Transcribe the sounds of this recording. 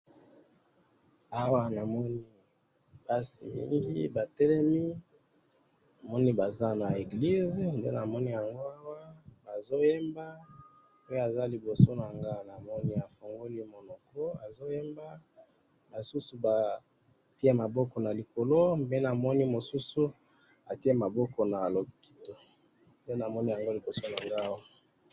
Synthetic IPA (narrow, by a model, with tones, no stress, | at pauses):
a˦wa˦na˨mɔ˦ni˦ | pa˦sḭ˨mḭ˦ŋɡi˦ba˨tɛ˦lɛ˦mi˦ | na˨mɔ˦ni˦ba˨za˦na˨e˨ɡli˦znde˦na˨mɔ˦ni˦ja˨ŋɡo˦a˦wa˦ba˨zo˦je˦mba˦ | o˦jo˦a˨za˦li˨bo˨so˦na˨ŋɡa˦na˨mɔ˦ni˦a˨fo˨ŋɡo˦li˦mo˨nɔ˨kɔ˦a˨zo˦je˦mba˦ | ba˨su˦su˨ba˨ | ti˦e˦ma˨bɔ˦kɔ˨na˨li˨ko˨lo˦be˦na˨mɔ˦ni˦mo˨su˦su˦ | a˨ti˦e˦ma˨bɔ˦kɔ˨na˨lo˨ki̥˨to˨ | nde˦na˨mɔ˦ni˦ja˨ŋɡo˦li˨bo˨so˦na˨ŋɡa˦wa˦